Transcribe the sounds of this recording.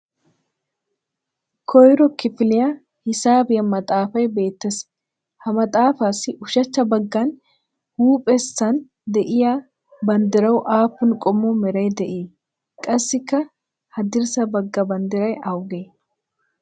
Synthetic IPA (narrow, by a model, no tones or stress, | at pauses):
kʰɔjɾɔkɪfɪlɪjɐ | hɪsaːbɪjɐmɐt̪ʼaːfɐjbe̞ːt̪ːɐs | hɐmɐt̪ʼaːfaːsɪʔʊʃɐt͡ʃːɐbɐɡːan | huːpʼɛsːɐn | d̪ɛʔɪjaː | bɐnd̪ɪɾɐwʔaːpːʊnkʼɔmːuːmɛɾɐjd̪ɛʔiː | kʼɐsːɪkːɐ | hɐd̪ɪɾsɐbɐɡːɐbɐnd̪ɪɾɐjɐʊɡeː